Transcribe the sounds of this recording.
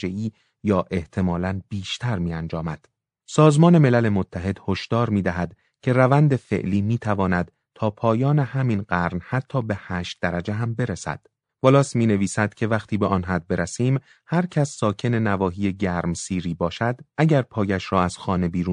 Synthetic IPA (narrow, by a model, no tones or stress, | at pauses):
eiː | jɒːʔe̞ht̪ʰe̞mɒːlænb̥iːʃt̪ʰæɾmiːænd͡ʒɒːmæd̪̥ | sɒːzmɒːne̞me̞læle̞mot̪ʰːæɦe̞d̪̥ho̞ʃd̪̥ɒːɾmiːd̪æɦæd̪ | cʰe̞ɾævænd̪e̞fe̞̰ʔliːmiːt̪ʰævɒːnæd̪̥ | t̪ʰɒːpʰɒːjɒːne̞hæmiːnɢæɾnhæt̪ʰːɒːbe̞hæːʃt̪̚d̪æɾæd͡ʒeɦæmbe̞ɾesæ̰d̪̥ | b̥olɒːsmiːne̞viːsæd̪̥cʰe̞væχt̪ʰiːbeʔɒːnɦæd̪̚beɾæsiːm | hæɾcʰæsːɒːcʰe̞ne̞nævɒːɦiːje̞ɟæɾmsiːɾiːbɒːʃæd̪ʔæɟæɾpʰɒːjæʃɾɒːæz̥xɒːne̞biːɾuː